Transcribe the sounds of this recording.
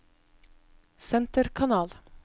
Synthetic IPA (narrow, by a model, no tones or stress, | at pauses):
sɛnt̪əɾkʰɑnɑːl